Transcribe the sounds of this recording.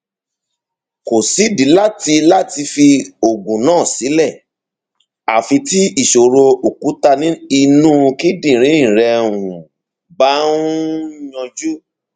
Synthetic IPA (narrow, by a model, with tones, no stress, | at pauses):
ko˨si˨˦di˨˦la˦ti˧la˦ti˧fi˧o˨ɡũ˨nãː˦˨si˨˦lɛ˦˨ | a˨fi˧ti˦i˦˨ʃo˨ɾo˧o˨ku˨˦ta˦˧nĩ˦i˧nũ˦˧ki˦dĩ˦˨ɾ̃ĩ˨˦ĩ˦˨ɾɛ˧ũ˨ | ba˦nũ˦ɲɔ̃˧d͡ʒu˦